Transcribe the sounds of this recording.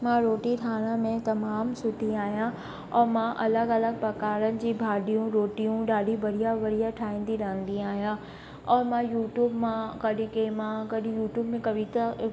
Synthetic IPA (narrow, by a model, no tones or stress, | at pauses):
mãɾoːʈiʈʰaːɽ̃əmẽt̪ɐmaːmsʊt̪iaːɦijã | ɔːɾmãʔɐləɡɐləɡ̚pɐkaːɾənɪ̆d͡ʑiːbʱaːɗijũɾoːʈijũɗaːɖʱibɐɽijaʋɐɽijaʈʰaːĩːn̆d̪iɾɐɦə̃nd̪ĩaːɦijã | ɔːɾmãjuːʈjuːbmãkɐɗĩkemãkɐɗĩjuːʈjuːbmẽkɐʋit̪a